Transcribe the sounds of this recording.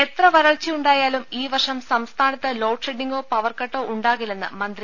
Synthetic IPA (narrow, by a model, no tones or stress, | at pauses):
e̞t̪rɐʋɐɾɐɭt͡ɕːiuɳɖaːjaːlumiːʋɐrʂɐmsɐmst̪ʰaːnɐt̪ːɨlo̞ːʈʂeɖːiŋɡoːpɐʋɐrkɐʈːo̞ːʔuɳɖaːɣilenːɨ̰mɐnd̪ɾi